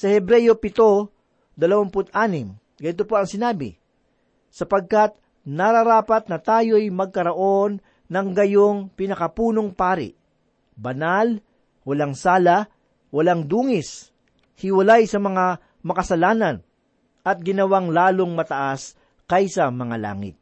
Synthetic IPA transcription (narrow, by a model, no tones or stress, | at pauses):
sɐhɛbɾɛjo̞pɪt̪o̞ | d̪ɐlɐwanpʊt̪ʔaːnɪm | ɡɐnɪt̪opoɐŋsɪnaːbɪ̰ | sɐpɐɡ̚kat̪̚ | nɐɾɐɾaːpɐt̪̚nɐt̪aːjo̞jmɐɡ̚kɐɾɐʔo̞nː | ɐŋɡɐjoŋpɪnɐkɐpuːnoŋpaːɾɪ̰ʔ | bɐnal | wɐlaŋsaːlɐ | wɐlaŋd̪uːŋɪs | hɪwɐlajsɐmɐŋa | mɐkɐsɐlaːnɐn | ʔɐt̪̚ɡɪnɐwaŋlaːlo̞ŋmɐt̪ɐʔas | kɐjsɐmɐŋa̰la̰ːŋɪ̰t̪̚